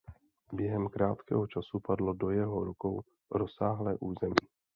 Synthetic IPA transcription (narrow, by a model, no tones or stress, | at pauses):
bjɛɦɛmkɾaːt̪kɛ̰ɦo̞t͡ʃasupadlo̞do̞jɛɦo̞ɾukow | ɾosaːɦlɛːʔuːzɛmiː